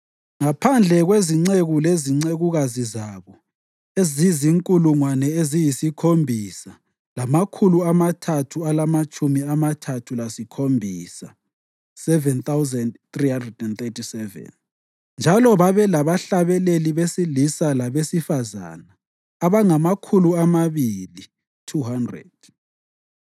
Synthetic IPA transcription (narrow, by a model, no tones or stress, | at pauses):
ŋapʰand͡ɮʱɛɣweziŋ͡ǀeɣuleziŋ͡ǀeɣuɣazizaβɔ | eziziŋkʼuluŋwanɛezijisikʰombʱisa | lamakʰuluamatʰatʰualamat͡ʃʼumiamatʰatʰulasikʰombʱiːsa | sɛvɛnt̪awzɛndθrihandrɛdɛnt̪etʰisɛvɛ̰n | nd͡ʒʱalɔβaβɛlaβaɬaβɛleliβesilisalaβesifaza̰naː | βaŋamakʰuluamaβili | tʰuɦandrɛ̰d̥̚